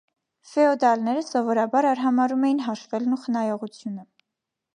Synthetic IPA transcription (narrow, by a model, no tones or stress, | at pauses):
fɛɔd̪ɑlnɛɾəsɔvɔɾɑbɑɾɑɾɦɑmɑɾumɛjin̪ɦɑʃvɛlnuχənɑjɔʁut͡sʰjunə